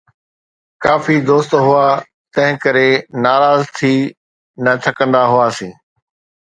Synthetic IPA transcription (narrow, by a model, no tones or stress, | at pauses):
kaːfid̪oːst̪ɦʊa | t̪ɐ̃ɦɪ̃kɐɾenaːɾaːzt̪ʰiː | nɐt̪ʰɐkə̃nd̪aɦʊaːsĩː